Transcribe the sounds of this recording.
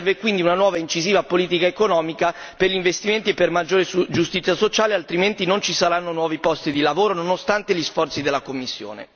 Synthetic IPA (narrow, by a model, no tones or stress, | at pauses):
ɛrvekwind̪iunanwɔːvaint͡ʃiziːvapoliːt̪̬ikaekonɔːmika | perʎiɱvest̪iment̪iepːermad͡ʒːoːɾed͡ʒust̪it̪sjasot͡ʃaːlealt̪ɾiment̪inont͡ʃisaɾanːonwɔːvipɔst̪id̪ilavoːɾononost̪ant̪eʎisfɔrt̪sid̪elːakomːisːjo̰ːnḛ